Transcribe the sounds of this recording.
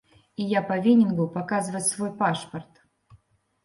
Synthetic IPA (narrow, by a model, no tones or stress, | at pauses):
ijapɐvʲinʲɪnɡʊpɐkazɨvətʲsvojpaʂpərt̪